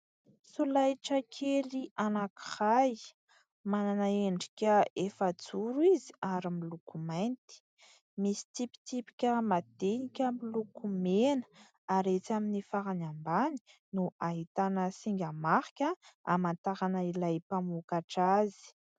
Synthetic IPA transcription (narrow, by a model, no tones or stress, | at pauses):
sulajʈ͡ʂəkʰeliʔanaki̥haj | mananaeɳɖ͡ʐi̥kʲəefad͡zuɾuiziaɾimilukumajnt̪i̥ | misi̥t̪ipi̥t̪ipi̥kʲəmad̪̥enikʲəmilukumenə̥ | aɾet͡saminifaɾanambani̥nuaɦit̪anəsiŋɡʲamaχi̥kʲəamant̪aɾanəilajpamukaʈ͡ʂazi̥